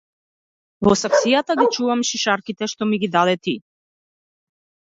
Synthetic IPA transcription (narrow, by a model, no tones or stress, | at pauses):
vɔsaksijat̪aɡit͡ʃuvamʃiʃaɾkit̪ɛʃt̪ɔmiɡid̪ad̪ɛt̪i